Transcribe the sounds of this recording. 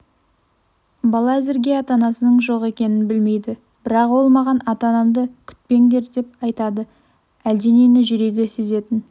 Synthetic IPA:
bɑlˠɑæzɪɾɡʲe̞ɑt̪ɑnɑsənəɴʒo̞qe̞kʲe̞nɪnbɪlme̞jd̪ɪ | b̥ɪɾɑqwo̞lˠmɑʁɑnɑt̪ɑnɑmd̪əkʲʰʏ̥t̪̚pe̞ŋɡ̪ʲe̞ɾd̪e̞p̚ɑjt̪ɑd̪ə | æld̪e̞ne̞nɪʒʏɾe̞ɡʲe̞se̞ze̞t̪ɪn

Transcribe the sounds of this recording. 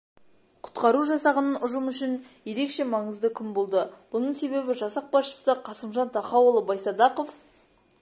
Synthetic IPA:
qʰʊ̥t̪qɑɾuʒɑsɑʁənənʊʒəmʏʃɪnje̞ɾe̞kʃe̞mɑɴəzd̪əkʲʰɪmbo̞lˠd̪əb̥ʊnəɴse̞βe̞bɪʒɑsɑq̚bɑsʃə̥səqʰɑsəmʒɑnt̪ʰɑχɑwəlˠəbɑjsɑd̪ɑqof

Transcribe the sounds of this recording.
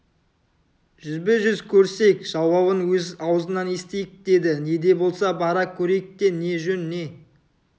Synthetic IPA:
ʒ̥ʏzbɪʒʏzkʲʰɵɾse̞jkʒ̥ɑwɑbənwɵzɑwəzənɑne̞st̪ejɪk̚d̪̥e̞d̪ɪne̞d̪e̞bo̞lˠsɑbɑɾɑkʲʰɵɾejk̚d̪e̞ne̞ʒɵnːe̞

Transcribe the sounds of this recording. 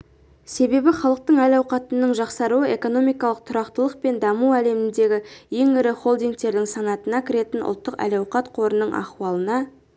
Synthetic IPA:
se̞be̞bɪχɑlˠəq̚t̪əɴælɑwqɑt̪ənəɴʒɑqsɑɾuəe̞ko̞no̞mijkɑlˠəq̚t̪ʰʊɾɑqt̪əlˠəq̚pe̞nd̪ɑmuæle̞mɪnd̪e̞ɡʲɪje̞ŋɪɾɪχo̞lˠd̪ijŋk̚t̪e̞ɾd̪ɪŋsɑnɑt̪ənɑkʲʰɪɾe̞t̪ɪnʔʊ̰lˠt̪ːəqæ̰lɑwqɑt̪qʰo̞ɾənəɴɑ̰χwɑlˠənɑ

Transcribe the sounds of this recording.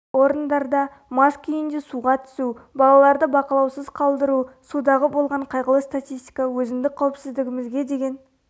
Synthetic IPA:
o̞ɾənd̪ɑɾd̪ɑ | mɑskʲʰʏjɪnd̪e̞suʁɑt̪ʰʏ̥subɑlˠɑlˠɑɾd̪əbɑqɑlˠɑwsəzqʰɑlˠd̪əɾusud̪ɑʁəbo̞lˠʁɑɴqʰɑjʁəlˠəst̪at̪ʲijst̪i̥kɑwɵzɪmd̪ɪk̚qʰːɑwəpsɪzd̪ɪɡʲɪmɪzɡʲe̞d̪e̞ɡʲe̞n

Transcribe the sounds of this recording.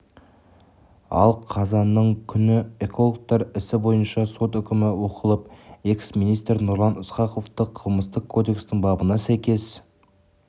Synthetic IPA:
ɑ̰lˠqʰɑzɑnːəɴkʲʰʏnɪe̞kʰo̞lˠok̚t̪ɑɾɪsɪbo̞jənʃɑso̞t̪ʏkʲɪmɪwo̞qəlˠəpe̞ksminijst̪ɾnʊɾlˠɑnɪsqɑqo̞ft̪əqʰəlˠməst̪əqʰːo̞d̪e̞kst̪ɪŋbɑbənɑsæjkʲe̞s

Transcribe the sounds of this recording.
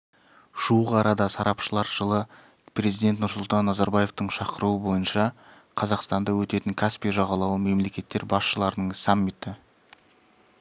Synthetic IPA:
ʒ̥uəʁɑɾɑd̪ɑsɑɾɑpʃəlˠɑɾʒ̥əlˠə | pre̞zijd̪e̞nt̪nʊɾsʊlˠt̪ɑnːɑzɑɾbaje̞ft̪əɴʃɑqəɾuəbo̞jənʃɑ | qʰɑzɑqst̪ɑnd̪ɑwɵt̪e̞t̪ɪŋkʲʰaspijʒɑʁɑlˠɑwəme̞mle̞kʲe̞t̪ːe̞ɾbɑsʃəlˠɑɾənəɴsamːit̪ɪ

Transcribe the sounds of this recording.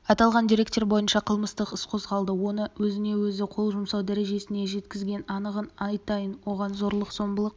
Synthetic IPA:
ɑt̪ɑlˠʁɑnd̪iɾe̞k̚t̪e̞ɾbo̞jənʃɑqʰəlˠməst̪əqəsqʰo̞zʁɑlˠd̪əwo̞nəwɵzɪne̞wɵzɪqʰo̞lˠʒʊmsɑwd̪æɾe̞ʒe̞sɪne̞ʒe̞t̪kʲɪzɡʲe̞nɑnəʁənɑjt̪ɑjənwo̞ʁɑnzo̞ɾlˠəqz̥o̞mbəlˠəq̚

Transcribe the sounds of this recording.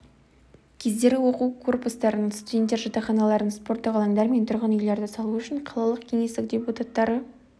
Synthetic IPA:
kʲʰe̞zd̪e̞ɾʲɡʲɪwo̞quwkʰo̞rpust̪ɑɾənst̪udʲe̞nt̪ːeɾʒɑt̪ɑχɑnɑlˠɑɾənspo̞rt̪ːəʁɑlˠɑnd̪ɑɾme̞nt̪ʰʊɾʁənʏjle̞ɾd̪ɪsɑlˠuʏʃɪɴqʰɑlˠɑlˠəqkʲʰe̞ŋe̞st̪ɪk̚d̪ʲe̞put̪at̪ːɑɾə

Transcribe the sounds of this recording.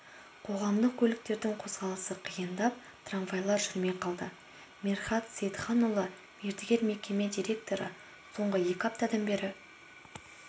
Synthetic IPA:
qʰo̞ʁɑmd̪əq̚kʲʰɵlɪk̚t̪e̞ɾd̪ɪŋqʰo̞sʁɑlˠəsəqʰijənd̪ɑp̚ | t̪ʰranvajlˠɑɾʒʏɾme̞qʰɑlˠd̪ə | mʲerχɑt̪sejt̪χɑnolˠə | me̞ɾt̪ɪɡʲe̞ɾme̞kʲe̞me̞d̪ijɾʲe̞k̚t̪o̞ɾə̰ | so̞ɴʁəje̞kʲɑp̚t̪ɑd̪ɑnbe̞ɾɪ

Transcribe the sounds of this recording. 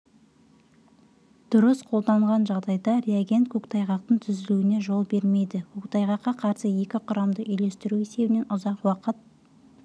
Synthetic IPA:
d̪̥ʊɾəsqʰo̞lˠd̪ɑɴʁɑnʒɑʁd̪ɑjd̪ɑɾeaɡʲe̞nt̪̚kʰʲɵkt̪ʰɑjʁɑq̚t̪əɴt̪ʰʏzɪluwɪne̞ʒo̞lˠbe̞ɾme̞jd̪ɪkʰɵkt̪ɑjʁɑqːɑqʰɑɾsəje̞kʲɪqʰʊɾɑmd̪əʔʏjle̞st̪ɪɾuese̞bɪne̞nʔʊzɑqwɑqət̪̚

